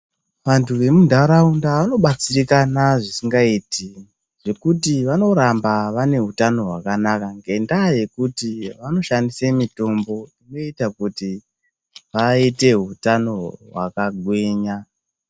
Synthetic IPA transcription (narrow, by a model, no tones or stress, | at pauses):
ʋantʰuʋe̞mundʱaɾaundaʋano̞ɓat͡sirikanaʐisiŋɡaiti | ʐ̥e̞kutiʋano̞ɾambaʋane̞ɦutano̞ɦwakanakaŋɡe̞ndaje̞kutiʋano̞ʃandisemito̞mbo̞ino̞itakuti | ʋaite̞ɦutano̞ɦwa̰kaɡʱweːɲa